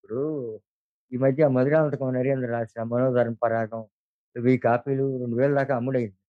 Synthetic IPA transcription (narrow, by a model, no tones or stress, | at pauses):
puɽu | iːmɐd̪ʱjɐmɐðiɾaːlɐnt̪ɐkonɐɾjɐnd̪ɾɐɾaːsʈɐmːɐnoːd̪ɐɾɐmpɐɾaːɡɐm | ʋiːkaːpiːluɾoɳɖuʋeːɭɐd̪aːkaɐmːuɽɐjind̪i